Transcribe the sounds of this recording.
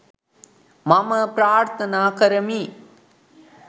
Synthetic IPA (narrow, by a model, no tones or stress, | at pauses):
mɐmɐpɾaːɾt̪ɐnaːkɐɾɐmi